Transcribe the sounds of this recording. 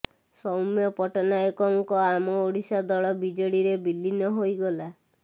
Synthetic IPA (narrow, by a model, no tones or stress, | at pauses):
sɔwmjɔpɔʈɔnaekɔŋkɔamɔoɽisad̪ɔɭɔbid͡ʒɔɽiɾebilːinɔɦojɡɔla